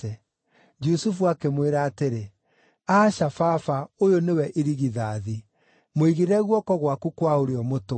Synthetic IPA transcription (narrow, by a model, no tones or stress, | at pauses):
ɛ | d͡ʒusufuakemweɾaːteɾe | aːɕafafaojonewɛʔeɾiɣiðaði | moiɣiɾɛɣwɔkɔɣwakukwaoɾeɔmoto